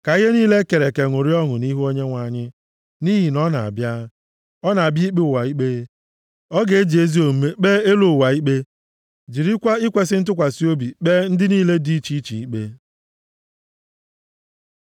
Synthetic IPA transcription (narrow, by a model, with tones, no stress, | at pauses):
ka˨i˦ɦe˦niː˦le˦ke˨ɾe˨ke˨ŋʷʊ˨ɾi˦ɔ˦ŋʊ˨ni˦ɦu˦o˦ɲe˦ŋʷa˨ɲɪ˦ | ni˦ɦi˨nɔ˦na˨a̰˨bja˦ | ɔ˦na˨a˨bji˦k͡pe˦ʊ˨wa˨i˦k͡pe˦ | ɔ˦ɡe˨e˦d͡ʒe˦zi˦o˨m̩˦me˦k͡pe˦e˦lo˨wa˨i˦k͡pe˦ | d͡ʒi˨ɾi˦kʷa˦i˦kʷe˨s̬ɪ˦n̩˦t̬ʊ˦kʷa˨si˦o˦bi˨k͡pe˦n̩˦dɪ˦niː˦le˦di˦i˦t͡ʃi˦t͡ʃḭ˨i˦k͡pe˦